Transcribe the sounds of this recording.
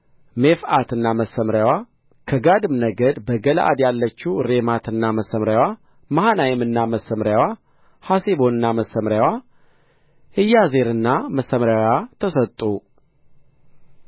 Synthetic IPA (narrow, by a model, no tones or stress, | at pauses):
mefat̪ɨnːaməsːəmɾjawa | kʰəɡad̪ɨmnəɡəd̪bəɡəlʔa̰d̪jalːət͡ʃːuɾe̞mat̪ʰɨnːaməsəmɾjawa | mahanajɛmɨnːaməsəmɾjawa | hasebo̞nɨnːaməsːəmɾjawa | hɨjazeɾɨnːaməsːəmɾawat̪ʰəsət̪ʼːu